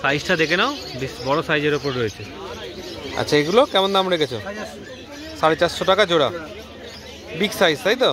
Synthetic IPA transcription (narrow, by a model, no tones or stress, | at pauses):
sajsʈad̪ekenaobisbɔɽosajd͡ʑeɾopɔɾɾoet͡ɕʰe | a̰t͡ɕːt͡ɕʰaeɡulokɛmond̪amɾeket͡ɕʰo̰ | saɾet͡ɕaʃoʈakad͡ʑoɽa̰ | biksajst̪ajt̪o